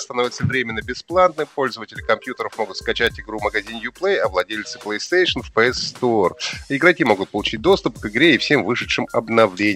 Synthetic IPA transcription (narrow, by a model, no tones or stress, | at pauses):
st̪ɐno̞vʲɪt̪səvɾʲemʲɪnːəbʲɪsplˠannɨmpo̞lʲzəvətʲɪlʲɪkɐmpʲjut̪əɾəfmo̞ɡʊt̪skɐt͡ɕætʲɪɡɾuməɡɐzʲinjʊplˠejɐvlˠɐdʲelʲt̪sɨ̥plˠəjst̪ejʂɨnfpəɛsːt̪orɪɡɾɐkʲimo̞ɡʊt̪̚pəlˠʊt͡ɕit̚ʲd̪o̞st̪ʊpkɨɡɾʲeɪfsʲe̞mvɨʂɨʂɨmɐ̰bnɐvlʲenʲɪ